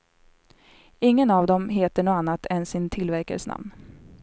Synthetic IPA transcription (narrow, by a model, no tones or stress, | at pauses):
ɪŋːənavd̪ɔmɦeːt̪əɳoːanːat̪ʰɛnsɪnt̪ʰɪlvæɾka̰ɾsna̰mn